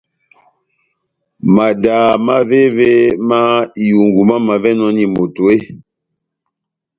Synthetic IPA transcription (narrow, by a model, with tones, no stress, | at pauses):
ma˨daː˨ma˦ve˦ve˦ma˦i˨ju˨ŋɡu˨ma˦ma˨vɛ˦nɔ˦ni˨mo˨to˨e˦